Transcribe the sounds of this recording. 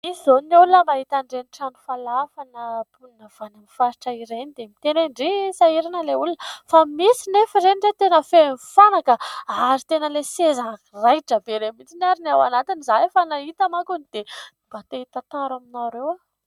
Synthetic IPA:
izonulunəmaɦit̪aɳɖ͡ʐeniʈ͡ʂanu̥falafanəpulinəv̥anamfaɾi̥ʈ͡ʂəiɾenid̪emit̪enaɳɖ͡ʐisaiɾinəleulunəfamisinefiɾeniret̪enəfenifanakəaɾit̪enəlesezankirajʈ͡ʂəbeɾemint͡sinaɾinawanat̪inizaefanaɦit̪amakunid̪̥eib̥at̪eit̪at̪aɾaminawɾewa

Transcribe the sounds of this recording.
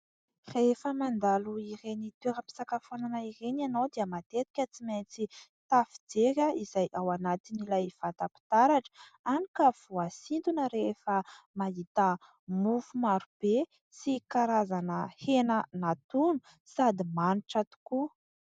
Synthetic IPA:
refəmand̪aluiɾenit̪eɾəpi̥sakafonanaiɾenanowd̪iəmat̪et̪i̥kʲət͡siment͡sit̪afi̥d͡zeɾʲəizajʔawanat̪inilajv̥at̪api̥t̪aɾaʈ͡ʂə̥anikəv̥uasind̪unəɾefəmaɦit̪ə | mufumaɾub̥e | sikaɾazanəhenənat̪unu̥ | sad̪imaniʈ͡ʂat̪u̥ku

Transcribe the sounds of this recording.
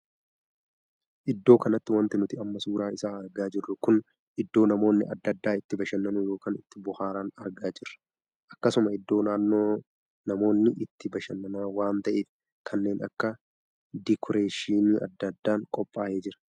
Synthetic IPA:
ʔɪd̪ːo̞ːkɐnɐt̪ːɪwɐnt̪ɪnʊt̪ɪɐmːɐsuːɾaːɪsaːɐɾɡaːd͡ʒɪrːʊkʊn | ʔɪd̪ːo̞ːnɐmo̞ːnːɪɐd̪ːɐd̪ːaːɪt̪ːɪbɐʃɐnːɐnʊjo̞ːkaːnɪt̪ːɪbʊhaːɾaːnɐɾɡaːd͡ʒɪrːɐ̥ | ʔɐkːɐsʊmɐɪd̪ːo̞ːnaːnːoː | nɐmo̞ːnːɪʔɪt̪ːɪbɐʃɐnːɐnaːwaːnt̪ɐʔeːf | kʰɐnːe̞ːnɐ̰kːɐ | d̪ɪkʰɔɾe̞ːʃiːniːɐ̰d̪ːɐd̪ːaːŋkʼɔpʼːaːʔeːd͡ʒɪɾɐ̥

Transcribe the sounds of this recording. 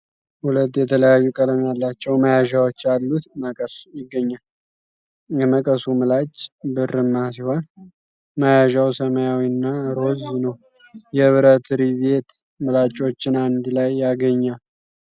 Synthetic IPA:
hulət̪ʼːjɛt̪ʰələjajːukʼələmjalːat͡ʃːɛwməjaʒawot͡ʃːalːut̪məkʼəsjɪɡːəɲːal | jɛməkʼəsumɨlat͡ʃʼbɨrɨmːasiho̞n | məjaʒawsəməjawiɨnːaɾo̞znəw | jɛβɨɾət̪ɾiβe̞t̪ | mɨlat͡ʃʼo̞t͡ʃːɪnand̪lajːaɡəɲːal

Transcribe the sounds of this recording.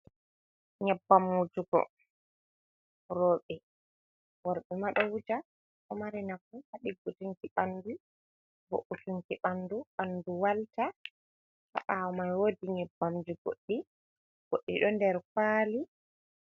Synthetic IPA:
ɲɛbːamud͡ʒukɔ̰ | ɾɔːɓɛ | wɔɾɓɛmaɗɔwud͡ʒa | ʔɔmaɾɛnafuhaɗiɡutuŋkiɓanːdu | bo̰ʔutuŋkiɓanduɓanduwalta | ha̰ʔawɔmajwodiɲɛbːamd͡ʒuɡo̰ɗːi | ɡ̥oɗːḭɗɔndɛɾkaːli

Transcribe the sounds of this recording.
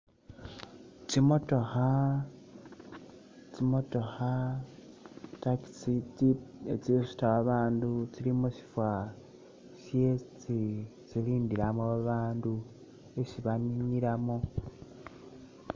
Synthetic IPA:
t͡ʃimo̞to̞xa | t͡simo̞to̞xa | taii | et͡sisu̥taβaβaːndut͡silimoʃi̥fwa | ʃjet͡si | t͡siliːndilamoβaβaːndu | eʃiβaɲiɲiɾamo

